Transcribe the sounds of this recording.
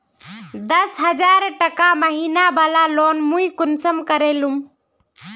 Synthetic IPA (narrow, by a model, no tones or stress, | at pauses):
d̪əsɦəd͡ʒaːɾʈəkaːməɦiːnabʱalaloːnmuikʊnsəmkəɾeːlum